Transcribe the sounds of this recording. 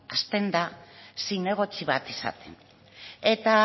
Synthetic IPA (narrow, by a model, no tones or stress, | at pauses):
ast̪e̞nd̪asijne̞ɣ̞o̞t͡siβat̪isa̰t̪e̞n | e̞t̪a